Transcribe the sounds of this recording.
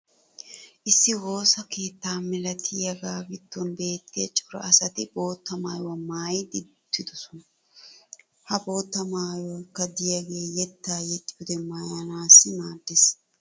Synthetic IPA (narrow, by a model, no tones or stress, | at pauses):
ʔɪsːɪwo̞ːsɐkeːt̪ːaːmɪlɐt̪ʰɪjɐɡaːɡɪt̪ːɔnbe̞ːt̪ʰːɪjɐt͡ʃʼʊɾɐ̰ɐsɐt̪ɪbo̞ːt̪ːɐmaːjwɐmaːjd̪ɪt̪ːɪd̪ʊsʊn | hɐbo̞ːt̪ːɐmaːjɔkːɐd̪ɪjɐɡeːjɛt̪ːaːjɛt̪ʼːɪʊd̪ɛmajɐnaːsːɪnaːd̪ːɪs